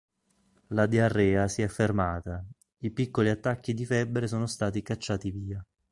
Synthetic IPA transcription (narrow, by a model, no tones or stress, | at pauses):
lad̪iarːɛːasiɛfːermaːt̪a | ipikːoliat̪ːakːid̪ifɛbːɾes̬oːnost̪aːt̪ikat͡ʃːaːt̪iviːa